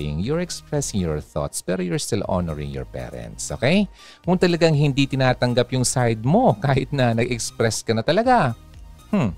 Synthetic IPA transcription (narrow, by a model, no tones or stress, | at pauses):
ɪ̰ŋjʊɹɛkspɹɛsɪŋjɔɹθo̰t̪spɛːɾojʊɹst̪ɪlʔo̰nɛɹɪ̰̃ŋjɔ̰ɹpɛ̰ɾɛ̰nt̪sʔo̰kɛj | kʊŋt̪ɐlɐɡaŋhɪnd̪it̪ɪnaːt̪ɐŋɡapjʊŋsajd̪̚mo̞kaːhɪt̪̚nɐnɐɡɛkspɾɛskɐnɐt̪ɐlɐɡa | hm̩